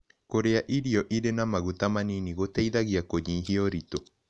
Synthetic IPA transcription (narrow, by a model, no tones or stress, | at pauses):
koɾeaʔiɾiɔʔiɾenamaɣutamaniniɣoteiðaɣiakoɲiɦioɾito